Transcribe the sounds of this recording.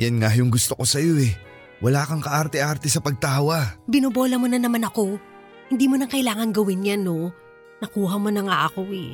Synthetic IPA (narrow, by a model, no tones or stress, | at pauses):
janŋajʊŋɡʊst̪oko̞sɐjo̞ʔɛ | wɐlaːkɐŋkɐʔaɾt̪ɛʔaɾt̪ɛsɐpɐɡ̚t̪aːwabɪnobo̞ːlɐmonɐnɐmanɐko̞ | hɪnd̪iːmonɐŋkɐjlaːŋɐŋɡɐwɪnjano̞ | nɐkuːɦɐmo̞nɐŋaʔɐko̞ɛ